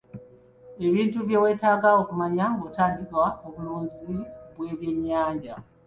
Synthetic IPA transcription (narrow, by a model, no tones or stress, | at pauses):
e̞βiːntuβjo̞ːwe̞ːtaːɡao̞kumaɲaŋɡotaːndikwaoβuluːnziβwe̞ːβje̞ɲːaːɲɟa